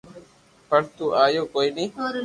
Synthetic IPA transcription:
pəɽt̪uːʔaːjoːkoːiːniː

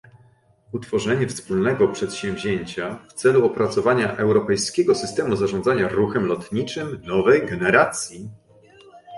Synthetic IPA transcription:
ut̪fɔʐɛɲɛfspulnɛɡɔpʂɛt̪ɕɛ̃vʑeɲt͡ɕaft̪sɛluɔpɾat̪sɔvaɲaʔɛwɾɔpɛjskʲɛɡɔsɘst̪ɛmuzaʐɔnd̪zaɲaɾuxɛmlɔt̪ɲit͡ʂɘmnɔvɛjɡɛnɛɾat̪sʲji

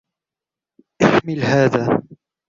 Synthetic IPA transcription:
ʔaħmɪlhaːðaː

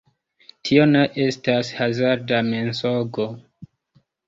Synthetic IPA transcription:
tʰio̞neʔe̞stashazaɾdame̞nsoɡo̞

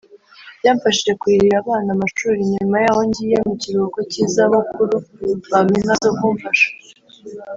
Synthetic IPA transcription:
bjaːɱfaʃid͡ʒe̞kwiɾiɾaβaːnamaʃuːɾiɲumajaːwo̞ɲɟijemuciɾuokociːzaβukuɾuβaminazokuːɱfaʃḁ

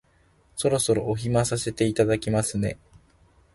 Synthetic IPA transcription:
so̞ɾo̞so̞ɾo̞ʔoçimasase̞t̪e̞it̪ad̪akʲimasɨne̞

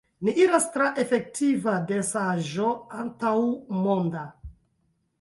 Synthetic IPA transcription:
niʔiɾastɾaʔe̞fe̞k̚tivadesaʒoantawmo̞nda

